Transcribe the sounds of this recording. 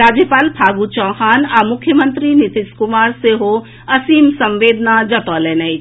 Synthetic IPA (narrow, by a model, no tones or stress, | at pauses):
ɾaːd͡ʒjəpaːlpʰaːɡut͡ʃɔːhaːnaːmʊkʰːjəmə̃nt̪ɾinɪt̪ɪskʊmaːɾseɦo | ɐsiːmsɐ̃mʋeːd̪ʱnad͡ʒɐt̪ɔːlɛːnai